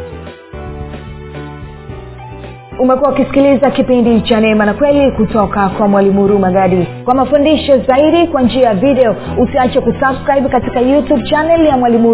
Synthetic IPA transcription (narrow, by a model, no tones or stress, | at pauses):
umɛkuwaukisi̥kilizakipindit͡ʃanɛmanakwɛlikutɔkakwamwalimuɾumaɠaɗikwamafundiʃɔzaiɗikwand͡ʒiajavidɛɔ | usiat͡ʃakusabskɾaiɓkatikajutubt͡ʃanɛljamwalimu